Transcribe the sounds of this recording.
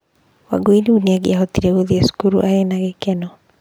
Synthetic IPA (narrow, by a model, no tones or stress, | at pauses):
wa̰ɡoiniuniaɡiaɦot̪iɾeoðiesu̥kuɾṵʔaenaɣekɛnɔ